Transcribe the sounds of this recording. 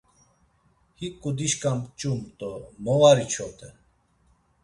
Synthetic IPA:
hikʼːud̪iʃkʼampt͡ʃʼumt̪ʼɔmɔvaɾit͡ʃʰɔt̪ʰʼɛ

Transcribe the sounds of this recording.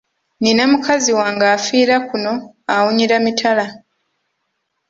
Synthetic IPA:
ninamukʰaziwaːŋɡaːfiːɾakuno̞ | awuɲiɾamitʰala

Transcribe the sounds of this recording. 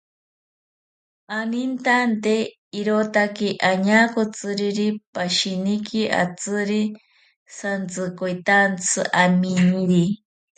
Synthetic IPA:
anint̪ant̪e | iɾot̪akiʔaɲakot͡sɨɾiɾipaʃinikia̰t͡sɨɾi | sant͡sɨkojt̪ant͡sʰɨ̰ʔamiɲiɾi

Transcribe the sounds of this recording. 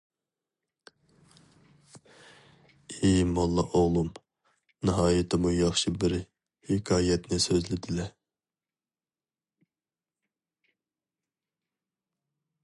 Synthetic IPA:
imɑnlˠːɑʔoʁlˠum | nɨɦɑːjɨt̪ʰɪmujɑχʃibɪɾ | hɪkʰɑːjɛt̪nɪsøzlɪd̪ɪlɛ

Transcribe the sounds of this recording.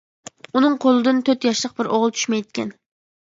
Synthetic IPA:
unɨŋqʰolˠɨd̪ɨnt̪ʰøt̪jɑʃlˠəq̚bɪɾʔoʁəlˠt͡ʃ̪ʰy̥ʃmɛjd̪kʲʰɛ̰n

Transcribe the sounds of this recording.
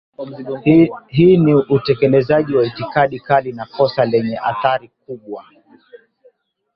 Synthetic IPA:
ɦiːniʔutɛkɛlɛzaʄiwaitikaɗikaɗinakɔsalɛɲɛʔa̰θaɾik̚uɓwa

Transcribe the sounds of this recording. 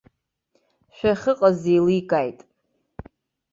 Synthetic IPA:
ʃᶣaχʲɨqʼazejlikʼajtʼ

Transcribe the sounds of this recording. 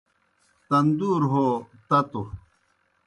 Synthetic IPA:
t̪ɐnd̪uːɾɦoːt̪ɐt̪o

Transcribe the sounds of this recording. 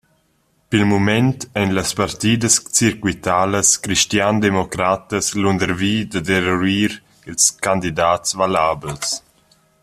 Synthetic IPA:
pilmumɛntɛnləspaɾt̪iːd̪əst͡siɾkwit̪aːləskɾiʃt̪jand̪emɔkɾat̪əslund̪əɾviːd̪ad̪eɾɔɾiːɾ | ilskand̪id̪aːtsvalaːbəls

